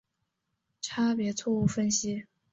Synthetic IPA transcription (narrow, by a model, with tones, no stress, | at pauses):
ʈ͡ʂʰa˥pjɛ˧˥t͡sʰwɔ˥˧u˥˩fə˥nɕi˥